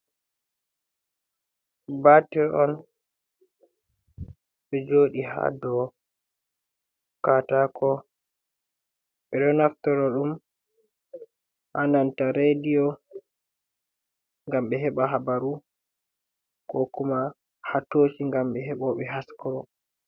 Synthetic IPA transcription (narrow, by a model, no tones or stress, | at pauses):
batɛʔɔn | ɓɛd͡ʒoːɗiha̰dɔ | katakɔ | ɓɛɗɔnaftɔɾɔɗum | hanantaɾedijɔ | ŋɡamɓɛɦɛɓaɦabaɾu | kɔkuma | hatot͡ʃiŋɡamɓɛɦɛɓɔɓɛɦaskɔɾɔ